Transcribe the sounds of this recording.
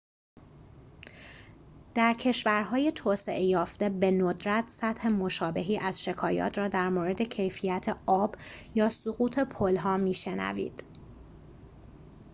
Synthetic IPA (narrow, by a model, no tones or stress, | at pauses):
d̪̥æɾcʰe̞ʃvæɾɦɒːje̞t̪ʰoːse̞ʔejɒːft̪e̞be̞nod̪ɾæt̪ʰsæt̪he̞mo̞ʃɒːbe̞ɦiːʔæz̥ʃe̞kʰɒːjɒ̰ːt̪ʰɾɒːd̪æɾmoːɾe̞d̪e̞cʰe̞jfijæt̪ʰeɒːb̥jɒːsoɣuːt̪ʰe̞pʰolɦɒːmiːʃe̞næ̰vḭːd̪̥